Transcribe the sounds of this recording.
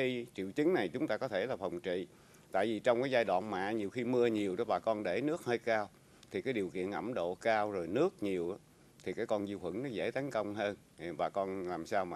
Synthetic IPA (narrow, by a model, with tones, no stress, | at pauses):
i˧t͡ɕḭ˧˨əwt͡ɕi˨˦ŋ̟na˨˩jt͡ɕʊ˨˦ŋ͡mt̪aː˧kɔ˨˦t̪ʰe˧˩laː˨˩fə˨˩wŋ͡mt͡ɕḭ˧˨ | t̪a̰ː˧˨jvi˨˩t͡ɕɔ˧wŋ͡mkaː˨˦jzaː˧jɗwa̰ː˧˨nma̰ː˧˨ɲi˨˩əwxi˧mɨ˧əɲi˨˩əwɗɔ˨˦ɓaː˨˩kɔ˧nɗe˧˩nɨ˦˥ək̚həː˧jkaː˧w | t̪ʰi˨kaː˨˦jɗi˨˩əwkḭ˧˨ənʔə˧˩mɗo̰˧˨kaː˧wzo˨˩jnɨ˦˥ək̚ɲi˨˩əwʔaː˨˦ | t̪ʰi˨˩kaː˨˦jkɔ˧nzɨ˧whwə˧˩ŋnɔ˨˦zḛ˧˥t̪a˨˦ŋkə˧wŋ͡mɦəː˧n | ɓaː˨˩kɔ˧nlaː˨˩msaː˧wmaː˨˩